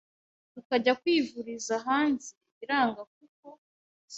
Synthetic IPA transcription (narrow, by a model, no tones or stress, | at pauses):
tukaɟakwiːvuɾizaɦaːnze | iɾaːŋɡak̚uk̚o